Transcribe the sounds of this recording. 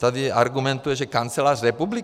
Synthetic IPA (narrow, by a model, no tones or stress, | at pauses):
t̪ad̪iaɾɡumɛnt̪ujɛʒɛkant͡sɛlarrɛpubli